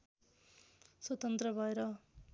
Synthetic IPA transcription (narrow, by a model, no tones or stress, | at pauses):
swʌt̪ʌnt̪rʌbʱʌeɾʌ